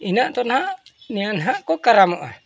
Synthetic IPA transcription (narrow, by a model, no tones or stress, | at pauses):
inaʔt̪ɔnɦaʔnianɦaʔkɔkaɾamoʔa̰